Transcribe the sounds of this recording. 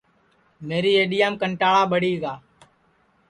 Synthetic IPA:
meːɾiːeːɗɪjaːmkəɳʈaːɭaːbəɽiːɡaː

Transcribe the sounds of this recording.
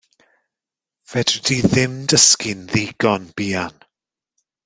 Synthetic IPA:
v̥ɛd̥rd̥iðɪmdəskɪnðiːɡ̥ɔnb̥iːan

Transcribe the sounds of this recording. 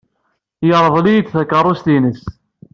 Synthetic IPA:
jəɾˤəðˤlijət͡s̪ːθækːərˤːʊst̪inəs

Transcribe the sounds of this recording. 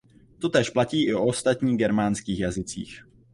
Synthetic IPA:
t̪o̞t̪ɛːʃplaciːʔɪʔoost̪at̪ɲiːɣɡɛɾmaːnskiːxjazɪt͡sḭːx

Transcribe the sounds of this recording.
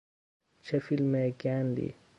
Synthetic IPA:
t͡ʃʰɐfilmekaːnd̪ḭ

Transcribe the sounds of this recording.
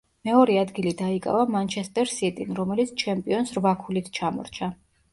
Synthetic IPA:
mɛɔɾɛad̪ɡilid̪aikʼa̰vamant͡ʃʰɛst̪ʼɛɾsit̪ʼinɾɔmɛlit̪sʰt͡ʃʰɛmpʼiɔnsɾvakʰulit̪ʰt͡ʃʰamɔ̰ɾt͡ʃʰa

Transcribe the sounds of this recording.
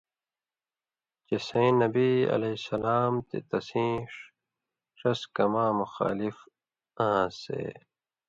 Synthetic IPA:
t͡ɕesẽnɐbiːɐ̰leisɐlaːmt̪ḛt̪ɐsĩːʂ | ʂɐskɐmãːmuxa̰ːlif | ãːsḛː

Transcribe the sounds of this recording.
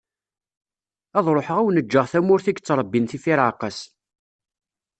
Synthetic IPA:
ɑðˤɾˤoħəʁæwnəd͡ʒːəʁθæmʊɾθiɡt͡sːɾˤəbːinθifiɾʕaqəs

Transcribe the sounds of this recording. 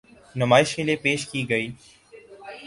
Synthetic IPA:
nəmaːɪʃkeːlieːpeːʃkiːɡəiː

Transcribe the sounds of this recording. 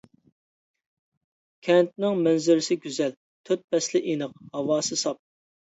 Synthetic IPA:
kʲʰɛnt̪̚nɪŋmɛnzɪɾɪsɪɡʲyzɛl | t̪ʰøt̪̚pɛslɪʔinəqhɑwɑːsɨsɑp̚

